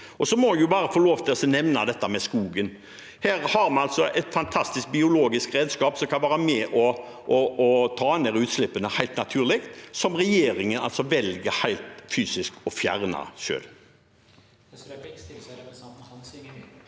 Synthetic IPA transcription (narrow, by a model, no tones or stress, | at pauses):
ʔɔsɔmɔjʊbɑːɾəfɔloːʋt̪ʰɪɔsɔnɛʋnɑd̪ɛt̪ːəmɛskuːɡən | hæːɾhɑɾmɑnɑlt̪sɔʔɛt̪fɑnt̪ʰɑst̪ɪsk̚bɪʊloːɡɪskɾeːd̪skɑːpsɔmkʰɑnʋæːɾəmɛʔɔ | ʔɔɔt̪ʰɑːnd̪ɛɾʉːt̪slɪpːənəhæɪlt̪nɑt̪ʰʉːʁlɪkt̪sɔmɾɛjeːɾɪŋənɑ̰lsɔʋɛlɡəɾhæɪlt̪fyːsɪskɔfjæ̰ʁnɑ̰ʃø̰ːl